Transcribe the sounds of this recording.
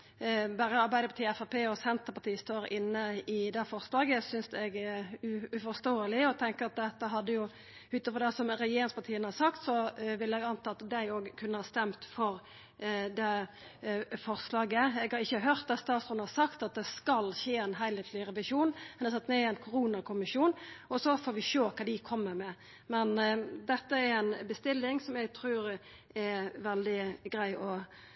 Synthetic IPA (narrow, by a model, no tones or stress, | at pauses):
bæːɾəɑɾbæɪd̪əpʰɑt̪iːɛfæpʰeːɔsɛnt̪əpɑt̪iːəst̪oːɾɪnːəɪd̪ɛfɔʁslɑːɡəsʏnsɛɡɛʉʉfɔʁst̪oːəlɪɔt̪ʰɛŋkəʁɑt̪̚d̪ɛt̪ːəɦɑd̪ːəjʊ | ʉːt̪fɔd̪ɛsɔmɾɛjeːɾɪŋspɑt̪ʰiːənəhɑɾsɑkt̪sɔʋɪlːɛɡɑnt̪ʰɑːt̪d̪æɪoːɡkʰʉnːəhɑːst̪ɛmt̪fɔɾ | d̪ɛ | fɔʁslɑːɡəɛɡhɑɾɪçːəɦøːɾt̪̚d̪ɑtst̪ɑːt̪sʉnəhɑsɑkt̪ɑt̪̚d̪ɛskɑlçeːænɦæɪlheːt̪ʰlɪɾɛʋɪʃuːnɛnsɑt̪nɛɛɾæɪnkʰʊɾuːnɑkʰʊmɪʂuːnɔsɔfoːɾʋɪʃoːkʰɑːd̪ɪkʰɔmːəɾmɛ | mɛnd̪ɛt̪ːəɛɾɛnbəst̪ɪlːɪŋsɔmæɡt̪ʰɾʉːɾ | ʔɛʋɛld̪ɪɡɾæɪʔɔ